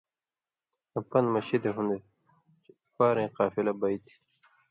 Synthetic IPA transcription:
ɐpɐnmɐɕid̪eɦũnd̪e | faːɾẽːqɑːfilɐbɐjt̪ʰi̥

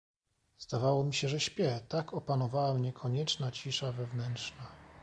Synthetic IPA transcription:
z̥d̪avawɔmʲiɕɛʐɛɕpʲjɛt̪akɔpanɔvawamɲɛkʰɔɲɛt͡ʂnat͡ɕiʂavɛvnɛntʂna

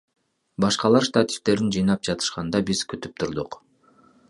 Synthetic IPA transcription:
bɑʃqɑlˠɑɾst̪at̪ʲi̥ft̪e̞ɾind͡ʒɯjnɑp̚d͡ʒɑt̪ʰɯ̥ʃqɑnd̪ɑbizkyt̪yp̚t̪ʰuɾd̪uq

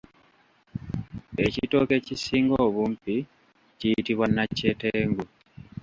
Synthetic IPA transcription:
e̞cito̞ːke̞cisiːŋɡoːβuːmpi | cijitiβwanːacːeteːŋɡu

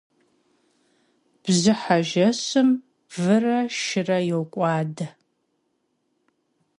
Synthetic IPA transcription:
b̥zɨħaʒɐsɨm | vɨrɐʃɪrɐjɛwkʷʼɑːdɐ

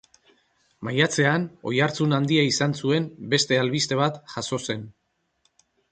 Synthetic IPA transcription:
majat͡se̞ano̞̰jaɾt͡sunand̪iaisansue̞mbe̞st̪e̞alβist̪e̞β̞at̪ʝaso̞se̞n

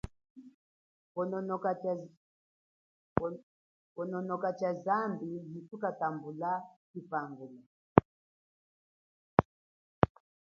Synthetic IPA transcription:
ɔnɔɔ | ɔnɔnɔkat͡ʃazambilitukatambulakipaŋɡula

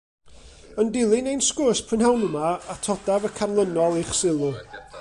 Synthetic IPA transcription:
əndɪlˠɪnejnskʊspʰrənɦawnəmaatʰɔdavəkʰanlˠənɔlˠeχsɪlˠʊ

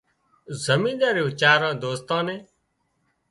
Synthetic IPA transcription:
zəmĩːɗ̪aːɾeːʊt͡ʃaːɾãːd̪oːst̪ãːnẽː

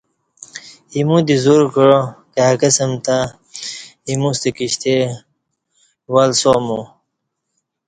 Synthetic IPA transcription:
imũd̪izuɾkəɻokeɦakəsəmt̪a | imũst̪ekiɕt̪e | walsomu

